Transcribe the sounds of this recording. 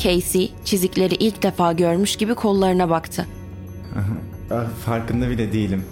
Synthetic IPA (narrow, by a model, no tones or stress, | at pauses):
cʰejsit͡ʃʰiziclʲe̞ɾiʔilʲcd̪e̞faːɟøɾmyʃɟ̥ibikʰo̞lˠːaɾɯnabakt̪ʰɯ | ɦa | afaɾkɯnd̪abilʲɛd̪ejilʲim